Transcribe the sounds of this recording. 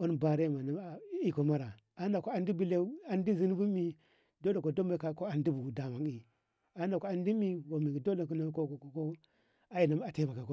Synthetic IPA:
o˦nba˨ɾe˦˨ma˨na˨˦˨i˦ko˨ma˦ɾa˨ | a˨˦n˦da˨ko˦a˨ndi˦bi˦le˦a˨ndi˦zi˦n˦bu˦mi˨ | do˦da˨ko˨do˦m˦a˦ka˦ko˦a˨ndi˦bu˨da˨ma˨ŋi˨ | a˨˦n˦da˨ko˦a˨ndi˦mi˦wo˨mi˨ɡi˨do˦da˨ku˦na˦ko˦kko˨ko˦ | a˦i˨na˨ma˨te˦˨ba˨ka˨ko˦

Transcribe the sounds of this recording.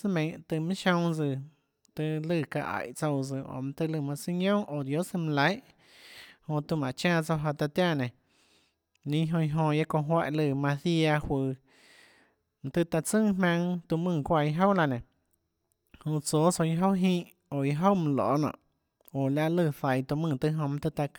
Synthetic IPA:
sɨ˦mẽ˧˦˨t̪ɨ˧mĩ˦ʃõ˧ŋd͡zɨ˧ | t̪ɨ˧lɨ˧˨ka̰˧ʔa̰˨ʔt͡so˧wd͡zɨ˧o̰˨m̃˧t̪ɨ˧lɨ˧˨mã˧si˧ɲõ˦ʔo˨d̪jo˦sɨ˧m̃˧la˨˦jʔ | hõ˧t̪u˧˨mã˨ʔt͡ʃãː˦˧˨t͡so˧ɦa˧t̪a˧t̪jã˦˧˨nẽ˨ | nĩ˦ɦõ˧i˧ɦõ˧ja˦kõ˧ɦwa˦ʔlɨ˧˨mã˧θi˦a˧hwɨː˧ | m̃˧t̪ɨ˧t̪a˧t͡sɨ̃˦˨ɦmã˧ŋt̪u˧mɨ̃ː˧˨kʷa˧˨i˧ɦo˦wla˧nẽ˨ | hũ˧t͡so˨˦t͡so˧i˧ɦo˦wɦĩː˦ʔ | o˨i˧ɦo˦wm̃˧lo̰ː˨nɔ̰̃ː˧˨ʔ | o˨la˧ʔlɨ˧˨θa˨jt̪u˧mɨ̃˧˨t̪ɨ˧ɦõ˧mã˧t̪ɨ˧t̪a˧k

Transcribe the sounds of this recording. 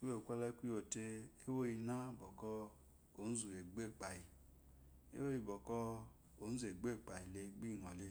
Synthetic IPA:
kʷu˦o˦˨kʷa˦lɛ˦kʷu˦o˨te˧e˦wo˦ji˧na˦˨bɔ˨kɔ˧ | o˨˦n̩˦zu˨e˨ɡ͡be˦˨k͡pa˨i˨ | ḛ˦wo˦ji˧bɔ˨kɔ˧ | o˨˦n̩˦zu˨e˨ɡ͡be˦˨k͡pa˨i˨le˧ɡ͡bi˦˨ŋɔ˨le˧

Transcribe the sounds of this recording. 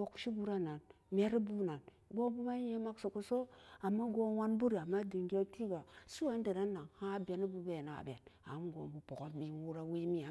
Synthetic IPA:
o˨kʃi˦bu˦ɾa˦na˨n | me˦ɾi˦bu˦na˨n | ɡo˦bu˦ma˦je˦ma˦ksu˨ku˦so˦a˨mːa˦ɡo˦wa˦nbu˦ɾi˨a˨mːa˦di˨ŋɡʲe˦ti˦ɡa˨su˦wa˨˦n˦de˨ɾa˦nːa˨ŋha˦be˨ni˦bu˦be˨na̰˨bḛ˨na̰˨˦mɡo̰˨mbu˨po˨ko˦bi˨˦wu˦ɾa˦wi˦mi˦a˨

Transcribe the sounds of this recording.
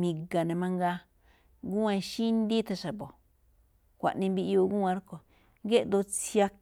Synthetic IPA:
mĩ˧ɡa˨nẽ˨mã˧ŋɡa˧ | ɡu˦ã˧ʃi˦nd̪i˦t̪a˧ʃa˨bo˨ | kʷa̰˨ʔnĩ˧mbi˧ʔo˧ɡũ˦ã˧˦ɾko˨ | ɡe˦ʔd̪o˧t͡sja˧k

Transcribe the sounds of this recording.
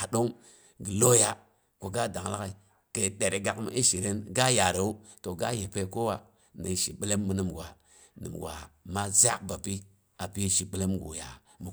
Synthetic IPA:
a˨ɗo˦ŋ | ɡi˨lo˦ja˦ | ko˨ɡa˦da˨ŋla̰˦ka˨i˨ | ke˨ɗe˨ɾe˨ɡa˨kmḭ˦i˦ʃi˨ɾe˦nɡa˦ja˨ɾe˨u˦to˨ɡa̰˦je˨pe˦ko˦wa˨ | nḭ˨ʃi˨ɓi˦le˦mːu˨nɨ˨mɡwa˨ | nɨ̰˨mɡʷa̰˨ma˦za˦k̚ba˨pi˦ | a˨pi˦ʃi˨ɓi˦le˦mɡṵ˨ja˨ | mu˨

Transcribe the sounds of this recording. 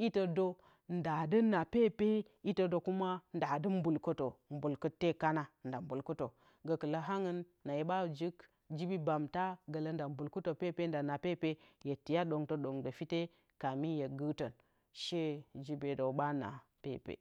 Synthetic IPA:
i˦tə˨do˦ | n˦da˨də˦nːa˨pe˦pe˦ | i˦to˨do˨ku˦ma˦nda˨dɨ˦m˦bu˨lkə˦to˨m˦bu˨lku˦tːe˦ka˦na˦˨nda˨m˦bu˨lku˦to˨ | ɡə˨kə˨lə˦ɦa˦ŋə˦nːa˨je˦ba˦˨d͡ʒi˦k | d͡ʒi˦bi˦ba˨mta˦ɡə˨lə˦nda˨m˦bu˨lku˦to˨pe˦˨pe˦n˦da˨na˨pe˦˨pe˦je˨ti˨ja˦ɗo˨ŋto˨˦ɗo˨ŋdo˨fi˦te˦ | ka˨mi˦je˨ɡɨ˦tə˨n | ʃe˦d͡ʒi˦be˨do˨ba˦na̰˨ | pḛ˦˨pḛ˨

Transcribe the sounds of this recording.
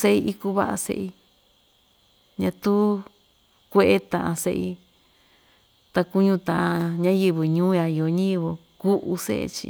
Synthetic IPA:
se˦ʔi˧ʔi˧ku˧βa˦ʔa̰˧sḛ˧ʔi˧ | ɲã˧t̪u˦ | kʷe˧ʔe˦t̪ã˨ʔã˧sḛ˧ʔi˧ | t̪a˧ku˧ɲũ˧t̪ã˨ʔã˧ɲã˦jɨ˧βɨ˧ɲũː˦ja˧i˨o˧ɲã˦jɨ˧βɨ˧ | ku˦ʔu˧sḛ˦ʔḛ˧t͡ʃḭ˧

